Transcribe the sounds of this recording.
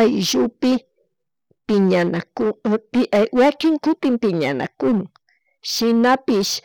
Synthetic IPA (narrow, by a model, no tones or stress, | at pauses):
ajʒʊpɪ | pɪɲanakʊɪwakɪŋkʊt̪ɪmpɪɲa̰na̰kʊnʊŋ | ʃɪnapɪʃ